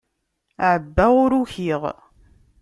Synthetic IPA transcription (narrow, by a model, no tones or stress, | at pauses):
ʕəbːæʊɾuçiʁ